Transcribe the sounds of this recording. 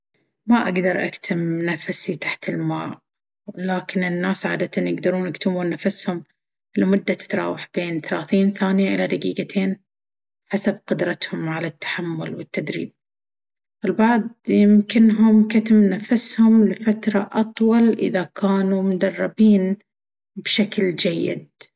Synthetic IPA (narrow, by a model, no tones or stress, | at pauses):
maʔaɡd̪ɑɾˤʔa̰kt̪ʰɪmnafsit̪aħt̪ɪlmaːʕ | laːkɪnɪnːaːsʕa̰ːd̪at̪anjɪɡd̪ɑɾuːnʔakt̪ɪmuːnːafashʊm | lɪmʊd̪ːat̪ɪ̥t̪ɾˤɑ̰ːwaħbeːnθalaːθiːnθaːnɪjaʔɪlad̪aɡḭːɡat̪ʰeːn | ħasab̚qʊd̪ɾˤɑt̪hʊmʕalat̪ːḁħamːʊlwɪt̪ːad̪ɾḭːb̚ | ɪlbɑʕd̪ˤjɪmkɪnɦʊmkat̪ɪmnafashʊmlɪfat̪ɾˤɑʔɑt̪ˤwɑlʔɪ̰ðakaːnumʊd̪ɑrˤːɑbiːn | bʃakld͡ʒajːɪ̰d̪̚